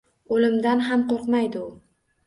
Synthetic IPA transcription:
olɪmd̪anɦamqoɾqmajd̪ɪʊ

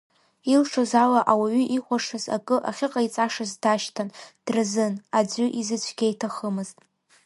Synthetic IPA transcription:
ilʂozalaʔawaɥʏʔiχʷaʂɨza̰kʼɨʔa̰χʲɪqʼait͡sʼaʂazdaʃtʰand̥rɨzɨnad͡zʷʊʔizɨt͡ɕʷʰɡʲajtʰaχəmɨztʼ

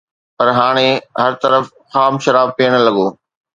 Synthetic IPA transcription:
pɐɾɦaːɽ̃eɦɐɾt̪ɐɾəf | xaːmʃɐɾaːb̚piːəɽ̃ə̆lɐɠoː

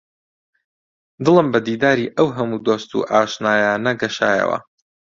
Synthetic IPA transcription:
d̪ɨlɨmbɐd̪iːd̪aːɾiːʔɐwɦɐmuːd̪oːst̪ṵʔaːʃnaːjaːnɐɡɐʃa̰ːjɐ̰wɐ̰

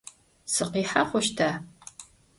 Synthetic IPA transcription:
sɨqiːħaχʷʊʃtʰaː

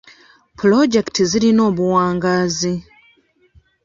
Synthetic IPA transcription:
plo̞ɟe̞ktizilino̞ːβuwaːŋɡaːzi

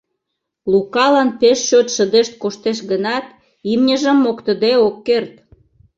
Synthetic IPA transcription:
lukɑlɑnpeʃːøt̪ʃəd̪eʃt̪̚koʃt̪eʃ̬ɡənɑt̪ | imnʲəʒəmːokt̪ə̆d̪eokːert̪

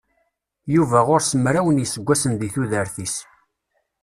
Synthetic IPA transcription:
juvæʁʊɾsəmɾæwənjəsəɡʷːæsənðiθuðəɾθis

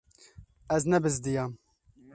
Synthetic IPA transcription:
ɛznɛbɨzd̪ijɑːm

